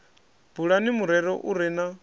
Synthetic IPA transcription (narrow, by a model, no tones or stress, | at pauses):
b̥uɺanimuɾɛɾɔʔuɾɛna